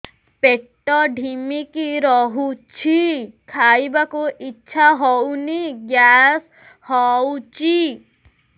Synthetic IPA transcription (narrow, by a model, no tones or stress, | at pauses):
peʈɔɖʱimikiɾɔɦut͡ʃʰikʰajbakuʔitːʃʰaɦɔwniɡjas | hɔut͡ʃʰi